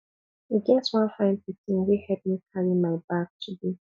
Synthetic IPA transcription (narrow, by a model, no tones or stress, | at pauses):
iɡɛtwãnfãɪ̃npikĩnwihɛp̚mikʰaɹimaɪbak̚tʰudi